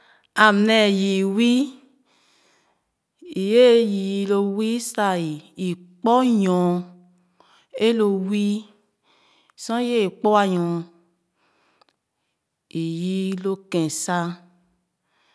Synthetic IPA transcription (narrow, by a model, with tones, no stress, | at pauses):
a˨mnɛ˨ji˨wi˦ | i˨je˦ji˨˦lo˧wi˦sa˧i˨i˨k͡pɔ˦jɔ̃˨ | e˦lo˧wi˦ | sɔ̃˦je˦i˨k͡pɔ˦a˧jɔ̃˨ | i˨ji˦lo˧kɛ̃˨sa˦